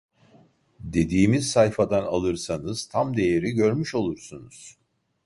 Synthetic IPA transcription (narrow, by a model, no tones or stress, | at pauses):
d̪e̞d̪iːmiz̥sajfad̪analˠɯɾsanɯz̥t̪ʰamd̪e̞jeɾiɟø̞ɾmyʃo̞lˠuɾsunuz̥